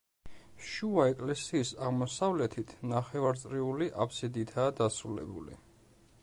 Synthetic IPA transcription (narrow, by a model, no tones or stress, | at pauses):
ʃuaɛkʼlɛsiːsaʁmɔsavlɛt̪ʰit̪ʰnaχɛvaɾt̪sʼɾiuliʔapʰsid̪it̪ʰaːd̪asɾulɛ̰bṵlḭ